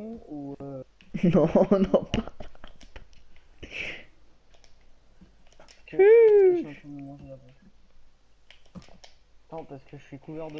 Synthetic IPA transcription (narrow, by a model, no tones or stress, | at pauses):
u | nɔ̃nɔ̃pa | t̪mmɑ̃ʒa | nɔ̃paʁsə̥kəʒəsɥikuvɛʁd̪